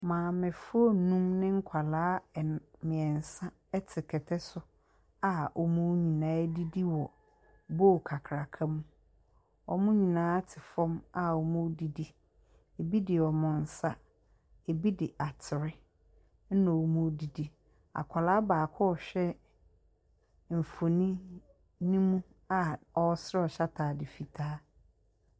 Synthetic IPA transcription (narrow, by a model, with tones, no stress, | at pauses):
mãː˨mɪ̃˨fʊ˦o˦nũ˦mnɪ̃˦ŋ̩˦kʷʰa˨laː˦˨mɪ̃˨ɛ˨n̩˨sã˦ | ɛ˦tʰɪ˨kʰɛ˨tʰɛ˦sʊ˦ | a˨ɔ˨mʊ̃˦ɲĩ˨nãː˨˦di˦di˦wɔ˨ | bo˦˨kʰa˨kʰɾa˨kʰã˦m̃˦ | ɔ̰˨mʊ̃˦ɲĩ˨nãː˦tʰɪ˨fɔ̃˦ma˨ɔ˨mʊ̃˦di˨di˦ | e˨bi˦dɪ˨ɔ˨mʊ̃˨n̩˨sa˦ | e˨bi˦dɪ˨ʔa˨tʰɪ˨ɾɪ˦ | n̩˦nã˨wɔ˨mũ˦di˨di˦ | a̰˨kʷʰa˨la˦baː˨kʰɔ˦ɔ˨ɕᶣɛ˦ | m̩˨fo˨nĩ˦ | nĩ˦mũ˦ | a˨ɔ˦sɾɪ˦ɔ˨ɕa˦tʰaː˨dɪ˨fi˨tʰaː˦